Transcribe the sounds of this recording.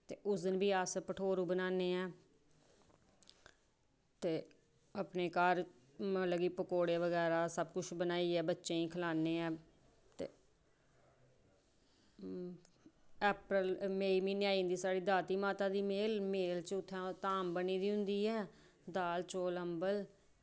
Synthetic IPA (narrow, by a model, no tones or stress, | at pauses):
t̪eːʔʊsd̪ənbiːaːspəʈʰoːɾũːbənaːneːɛː | t̪eː | əpneːkaːɾ | ələɡiːpəkoːɽeːʋəɡɛːɾaːsəbkʊt͡ʃʰbənaːiːɛːbətːʃẽːĩːkʰəlaːneːɛː | t̪ḛː | ɛːpɾəlmeːiːmiːnjaːĩːnd̪iːsaːɽiːd̪aːt̪iːmaːt̪aːd̪iːmeːlmeːlt͡ʃʊt̪ʰːɛ̃ːt̪aːmbəniːd̪iːɦʊ̃nd̪iːɛː | d̪aːlt͡ʃoːləmbəl